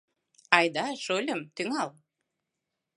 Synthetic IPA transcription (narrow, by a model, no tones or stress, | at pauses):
ɑjd̪ɑʃolʲə̆mt̪yŋɑlˠ